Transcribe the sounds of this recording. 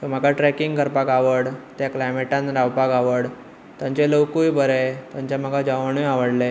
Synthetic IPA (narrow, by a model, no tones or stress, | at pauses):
t̪əm̤əɡʱaʈɾɛkiŋɡɡəɾpakaʋəɽt̪jaklajmeʈãnɾawpaɡaʋəɽ | t̪jãɲt͡ɕeləwkujbəɾet̪jãɲt͡ɕjam̤əɡʱad͡ʑaʋəɳ̃ujaʋəɽle